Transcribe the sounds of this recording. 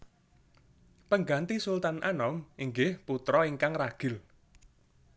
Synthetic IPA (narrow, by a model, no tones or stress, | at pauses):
pəŋɡant̪isult̪anʔanɔmiŋɡɪhput̪ɾɔiŋkaŋraɡ̥ɪ̤l